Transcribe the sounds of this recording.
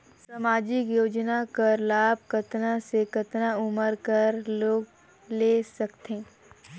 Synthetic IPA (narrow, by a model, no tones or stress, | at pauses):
samaːd͡ʒɪkjoːd͡ʒnakəɾlaːb̚ʱkɐt̪nasekɐt̪naʊməɾkɐɾloːɡ | leːsɐkt̪ẽː